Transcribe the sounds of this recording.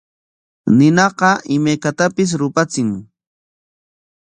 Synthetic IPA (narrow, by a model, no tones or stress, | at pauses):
nɪnɑqɑʔɪmajkat̪apɪs̬ɾʊpat͡sɪŋ